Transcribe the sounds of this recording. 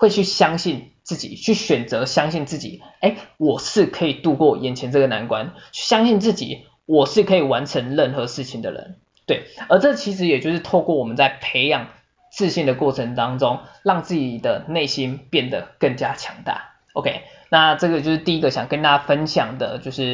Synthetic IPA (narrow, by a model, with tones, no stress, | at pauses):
we˥˧ɪt͡ɕʰy˥˩ɕjɑ˥ŋɕi˥˧n | t͡sɹ̩˥˩t͡ɕḭ˨˩t͡ɕʰy˥˩ɕɥɛ˨˩nt͡sɤ˧˦ɕjɑ˥ŋɕi˥˧nt͡sɹ̩˥˩t͡ɕḭ˨˩e˥ɪwɔ˨˩ʂɻ̩˥˩kʰɤ˧˥i˨˩t̪u˥˧kwɔ˥˩jɛ˨˩nt͡ɕʰjɛ˧˥nʈ͡ʂɤ˥˩ɡə˩na˧˦nkwa̰˦nt͡ɕʰy˥˩ɕjɑ˥ŋɕi˥˧nt͡sɹ̩˥˩t͡ɕḭ˨˩˦ | wɔ˨˩ʂɻ̩˥˩kʰɤ˧˥i˨˩wa˧˦nʈ͡ʂʰə˧˥ŋɻə˥˩nxɤ˧˦ʂɻ̩˥˩t͡ɕʰi˨˩ŋd̪ə̰˩ɻə̰˧˦n | t̪we˥˩ɪə˞˧˥ʈ͡ʂɤ˥˩t͡ɕʰi˧˥ʂɻ̩˧˥jɛ˨˩t͡ɕjo˥˧ʊʂɻ̩˥t̪ʰo˥˧ʊkwɔ˥˩wɔ˨˩mə˦nt͡sa˥˩ɪpʰe˧˥ɪjɑ˨˩ŋ | t͡sɹ̩˥˧ɕi˥˩nd̪ə˩kwɔ˥˩ʈ͡ʂʰə˧˥ŋt̪ɑ˥ŋʈ͡ʂo˦ŋɻɑ˥˧ŋt͡sɹ̩˥˩t͡ɕi˨˩d̪ə˩ne˥˩ɪɕi˥npjɛ˥˩nd̪ə˩kə˥˩ŋt͡ɕja˦˥t͡ɕʰjɑ˧˥ŋt̪a̰˥˩ | o˧kʰe˥ɪ | na˥˧ʈ͡ʂɤ˥˩ɡə˩t͡ɕjo˥˧ʊʂɻ̩˥˧t̪i˥˧i˦˥ɡə˨˩ɕjɑ˨˩ŋkə˥nt̪a˥t͡ɕa˥fə˦nɕjɑ˨˩ŋd̪ə̰˩t͡ɕjo˥˧ʊʂɻ̩˥˩